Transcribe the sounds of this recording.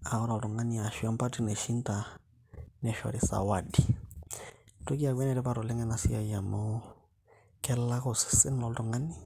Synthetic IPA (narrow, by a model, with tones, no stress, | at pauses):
a˨ɔ˦ɾa˨ltɔ˨ŋa˦ni˨a˨ʃwa˦mpa˦ti˦nɛ˨ʃi˦nta˨ | nɛ˨ʃɔ̰˨ɾi˦sa̰˨wa˨di˨ | to˦ki˦a˨kwɛ˦nɛ˨ɾɛ˦pa˦ɾo˨lɛ˦ŋɛ˦na˨si˦a˦ja˨mo˦ | kɛ˦la˦ko˨sɪ̥˨sɪ˦n˦lɔ˨ltɔ˨ŋa˦ni˦